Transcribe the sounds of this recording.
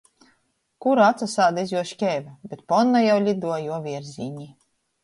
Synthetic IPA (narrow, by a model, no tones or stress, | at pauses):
kuɾaat̪sasaːd̪aizʲjuɔʃkʲɛːvʲabʲet̪̚pɔnːajawlʲid̪uɔjuɔvʲiɛɾzʲiɲʲi